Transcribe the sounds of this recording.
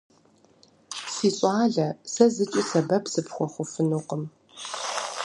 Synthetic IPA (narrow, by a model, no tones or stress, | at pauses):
siːɕʼɑːɮɐsɐzɨt͡ʃʼisɐbɐpʰsɨpʰxʷɔχʷʊfɨnuːqəm